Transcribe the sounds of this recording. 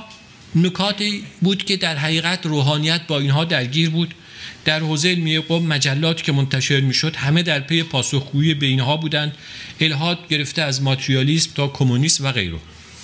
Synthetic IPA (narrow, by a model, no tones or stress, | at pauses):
nokʰɒːt̪ʰiːbuːd̪̥cʰe̞d̪æɾɦæʁiːɣæt̪roːɦɒːnijæt̪̚ʰbɒːiːnɦɒːd̪æɾɟiːɾbuːd̪ | d̪̥æɾhoːzeelmijeɡobmæd͡ʒælːɒːt̪ʰiːcʰe̞mont̪ʰæʃe̞ɾmiːʃo̞d̪̥hæme̞d̪æɾpʰe̞je̞pʰɒːsoxɡuːjebe̞iːnɦɒːbuːd̪ænd̪̥e̞lɦɒːd̪̚ɟe̞ɾe̞ft̪eæzmɒːt̪ʰɾiɒːliːsmt̪ʰɒːkʰomuniːsmvæɣḛjɾo̰